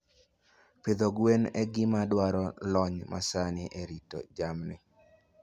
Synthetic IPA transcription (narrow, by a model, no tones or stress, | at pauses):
ped̪oɡwenɛɡɪmadwaɾɔlɔɲma̰sanɪʔeɾito̰d͡ʒamnɪ̰